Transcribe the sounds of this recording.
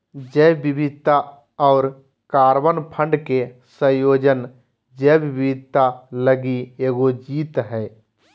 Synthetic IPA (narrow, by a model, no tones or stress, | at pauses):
d͡ʒɛːbɪbɪd̪t̪a | ɔːɾ | kaːɾʋənpʰə̃ɳɖkesə̃joːd͡ʒən | d͡ʒɛːbbɪd̪̚t̪ːaləɡieːɡod͡ʒiːt̪ɦɛː